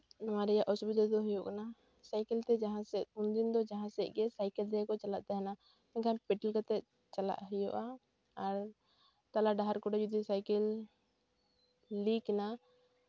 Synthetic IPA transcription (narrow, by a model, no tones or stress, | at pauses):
nɔwaɾɛjaʔɔsubid̪ad̪ɔɦujɔʔkana | sajkɛlt̪ɛd͡ʒaɦãsɛʔund̪ind̪ɔd͡ʒaɦãsɛʔ̪̚ˀɡɛsajkɛld̪ɛakɔt͡ʃalaʔt̪ɛɦɛna | ɛŋkapɛʈɛlkat̪ɛ | t͡ʃala̰ʔɦəjɔ̰ʔaː | ɾ | t̪alaɖaɦaɾkɔɖɛd͡ʒud̪isajkɛl | ikna